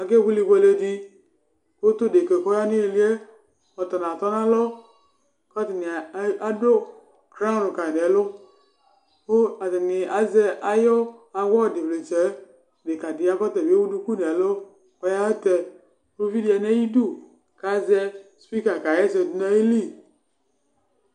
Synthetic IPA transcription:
a˨ke˦˨bu˦li˨be˦le˦di˦ | ko˦tʊ˦˨de˨ke˨kɔ˦ja˦ni˦e˨li˦e˦ | ɔ˨tɔ˨na˨tɔ˦na˦lɔ˦ | kɔ˦ti˨ni˨˦a˨do˦ | kɾa˦n˨ɾʊ˨ka˨n˨ɛ˨lʊ˦ | ko˦a˨tɪ˨nɪ˨ʔa˨zɛ˦ʔa˨jɔ˦a˨wɔ˦˨dɪ˨ble˨t͡ʃɛ˨˦˨ | de˨ka˨dɪ˨a˦kɔ˦t̪ɛ˨be˦wu˦du˦ku˦n˨ɛ˨lo˦ | kɔ˦ja˦ɛ˦t̪ɛ˨ | ɾo˦vi˦di˨˦a˨nɛ˦ji˦du˦ | ka˨˦zɛ˦spi˦ka˨ka˨jɛ˦sɛ˨du˨˦na˦e˦li˦

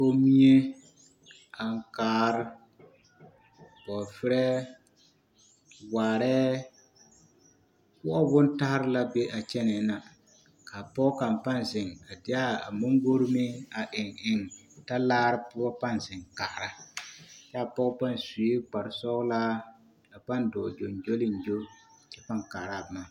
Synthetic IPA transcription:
po˦mi˦e˦ | a˨ŋ˨kaː˨˦ɾɪ˦ | bɔ˨fɪ˦ɾɛ˦ | waː˨ɾɛː˦ | kʊ˦ʔɔ˦bʊ˦n˦ta˦hɾɪ˦la˦be˦ʔa˨t͡ʃɛ˦nɛ˨˦na˨ | ka˨pɔ˦ka˨mpa˦n˨zɪ˨ŋa˨dɪ˦a˦a˨mo˦ŋɡo˦ɾmɪ˦a˨ʔɪ˨ŋɪ˨ŋta˦laː˦ɾɪ˦pʊ˦ɔ˦pa˦nzɪ˨ŋka˨ɾa˦ | t͡ʃɛ˦a˨pɔ˦pa˦nsu˨e˦k͡pa˨ɾɪ˨sɔ˦ɣlaː˦ | a˨pa˦ndɔ˨d͡ʒo˨nd͡ʒo˦lɪ˨n˨d͡ʒo˦ | t͡ʃɛ˦pa˦ŋkaː˨ɾa˦˨ma˦˨

